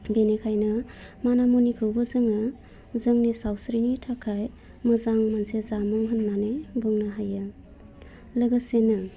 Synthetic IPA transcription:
benekʰajnɐmanamonikʰɯwbəzɯŋa | zəŋnisawsɾinitʰakʰaj | mɯzaŋmansezamɔŋɦɯnːanebɯŋnaɦajɯ | ləɡəsenɯ

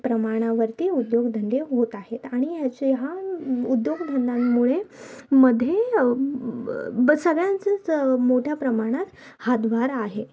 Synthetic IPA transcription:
pɾəmaɽ̃aʋəɾt̪iud̪joɡd̪ʱənd̪eɦot̪aɦet̪aɽ̃ijat͡ɕjaud̪joɡd̪ʱənd̪ammuɭeməd̪ʱːje | səɡɭjant͡səmoʈʰjapɾəmaɽ̃at̪ | had̪ʋaɾaɦe

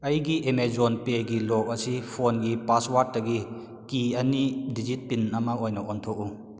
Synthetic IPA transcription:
ɐjɡiʔemezɔnpeɡilɔk̚ɐsipʰonɡipaswaɾd̚ːɐɡi | kiɐnidizit̚pinɐmakɔjnɔʔɔntʰɔk̚u

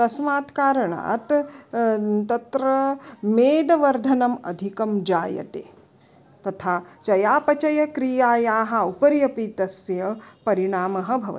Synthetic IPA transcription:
t̪ɐsmaːt̪kaːɾɐɳa̰ːt̪ | t̪ɐt̪ɾɐmeːd̪ɐʋɐɾd̪ʱɐnɐmɐ̰d̪ʱikɐmd͡ʒaːjɐ̰t̪ḛː | t̪ɐt̪ʰaːt͡ʃɐjaːpɐt͡ʃɐjɐkɾijaːjaːɦɐ̆upɐɾjɐpiːt̪ɐsjɐpɐɾiɳaːmɐɦɐ̆bʱɐʋɐ̰

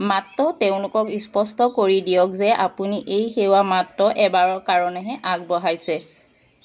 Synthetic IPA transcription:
matːɔteʊ̃lʊkɔkispɔstɔkoɹidijɔk̚zɛʔapuniʔejxewamatːɔʔɛbaɹɔɹkaɹɔnɛɦɛʔaɡ̚bɔɦajsɛ

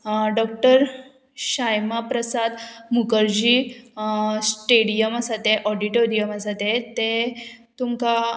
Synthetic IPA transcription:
ɖɔk̚ʈəɾ | ɕajmapɾəsad̪mukəɾd͡ʑiː | sʈeɽijəmasat̪eʔɔɖiʈoɾijəmasat̪et̪et̪umka

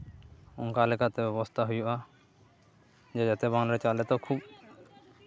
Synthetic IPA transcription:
ṵnkalɛkʰat̪ɛbɛbɔst̪ʰaɦujuʔa | d͡ʒɛd͡ʒat̪ɛbaŋlaɾɛt͡ʃalɛt̪ɔkʰub

